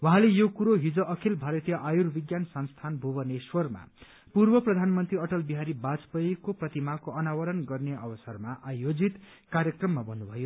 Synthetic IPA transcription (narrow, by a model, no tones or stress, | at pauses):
waɦãlejokuɾoɦid͡zʌʔʌkʰilbʱaɾʌt̪jʌʔajurbiɡjansʌnst̪ʰanbʱubʌneswʌrma̰ | purbʌprʌd̪ʱanmʌnt̪riʌʈʌlbiɦaɾibad͡zpʌjkoprʌt̪imakoʌnawʌɾʌnɡʌrneʔʌbʌsʌrmaʔajod͡zit̪ | karjʌkrʌmːabʌnːubʱʌjo